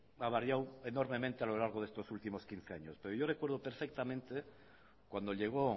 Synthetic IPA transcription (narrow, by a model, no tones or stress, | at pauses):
aβ̞aɾjawenoɾmemẽnt̪ealo̞laɾɣoðest̪o̞sult̪imo̞skin̟θeaɲospe̞ɾoʝo̞rekwe̞ɾðopeɾfek̚t̪amẽnt̪e | kwand̪o̞ʎe̞ɣ̞o